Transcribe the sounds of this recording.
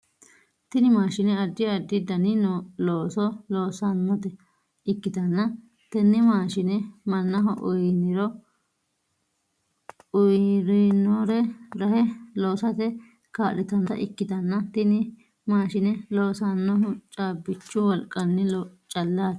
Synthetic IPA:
t̪ɪnɪmaːʃɪnɛɐd̪ːɪɐd̪ːɪd̪ɐnɪnɔloːsɔloːsɐnːɔt̪ɛ | ɪkːɪd̪ɐnːɐ | t̪ɛnːɪmaːʃɪnɛmɐnːɐɦɔʔʊjɪnɪɾɔ | ʊjɾɪnɔɾɛɾɐhɛlo̞ːsɐt̪ɛ | kaːlɪt̪ɐnt̪ɐ̰ʔɪkːɪd̪ɐnːɐt̪ɪnɪ | maːʃɪnɛloːsanːɔɦʊt͡ʃʼaːbɪt͡ʃːʊwɔlkʼːɐnːɛt͡ʃʼɐlːaːt̪

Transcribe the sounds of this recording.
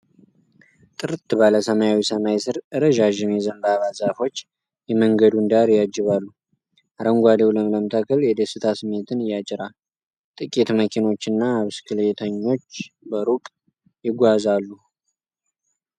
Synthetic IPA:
t̪ʼɨɾɨt̪ʰɨbaləsəmajawisəmajsɨɾɨɾəʒaʒɪnjɛzənbaβazafo̞t͡ʃː | jɛməŋɡəd̪und̪aɾjad͡ʒːɪβalːu | ʔaɾəŋɡʷalewləmləmt̪ʰakʰəljɛd̪əsɨt̪ʰasɨmːe̞t̪ʰɨnɨjːat͡ʃʼɪɾal | t̪ʼɨkʼet̪məkʰino̞t͡ʃːɨnːaːβskʰɨlet̪ʰəɲːo̞t͡ʃːbəɾukʼ | jɪɡʷːazalːu

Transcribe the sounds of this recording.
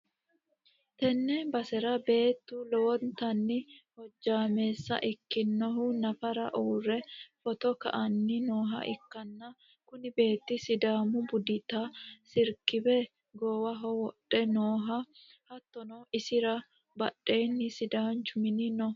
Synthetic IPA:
t̪ɛnːɛbɐsɛɾɐbe̞ːt̪ːʊlɔwɔnt̪ɐnːɪhɔd͡ʒːaːme̞ːsːɐ̰ʔɪkːɪnːɔɦʊnɐfɐɾɐ̰ʔuːrɛfɔt̪ɔkɐ̰ʔɐnːɪnoːɦɐ̰ʔɪkːɐnːɐ | kʊnɪbe̞ːt̪ːɪsɪd̪aːmʊbʊd̪ɪt̪ɐsɪɾkɪbɛ | ɡɔwɐɦɔwɔɗːɛnoːɦɐ | hɐt̪ːɔnɔɪsɪɾɐ | bɐɗːe̞ːnːɪsɪd̪aːnt͡ʃʊmɪnɪnɔ

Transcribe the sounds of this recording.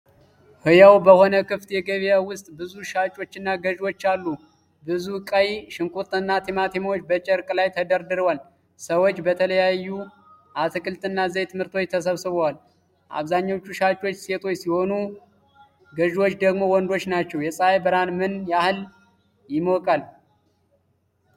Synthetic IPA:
hɨjawbəho̞nəkʰɨft̪jɛɡəβijawʊst̪ʼbɨzuʃat͡ʃʼo̞t͡ʃːɨnːaɡəʒwo̞t͡ʃːalːu | bɨzukʼəjʃɨŋkʼut̪ʼɨnːat̪ʰemat̪ʰemot͡ʃːbət͡ʃʼɛɾkʼlajt̪ʰəd̪əɾd̪ɨɾwal | səwot͡ʃːbət̪ʰələjajːu | ʔat̪ʰɨkʼɨlt̪ʼɨnːazəjt̪ʰɨmhɨɾt̪ʰo̞t͡ʃt̪ʰəs̬əβsɨβəwal | ʔa̰βzaɲːaot͡ʃːuʃat͡ʃʼo̞t͡ʃːse̞t̪ʰo̞jsiho̞nu | ɡəʒwo̞t͡ʃːd̪əɡmo̞wɔnd̪o̞t͡ʃːnat͡ʃːɛwjɛsʼaajbəɾanmɨnjahɨl | jɪmokʼal

